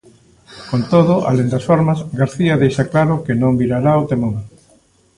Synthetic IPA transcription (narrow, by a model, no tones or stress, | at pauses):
kont̪oðʊʔa̰lend̪asfoɾmazɡaɾθiaðejʃaklaɾʊkenõmbiɾaɾaot̪emoŋ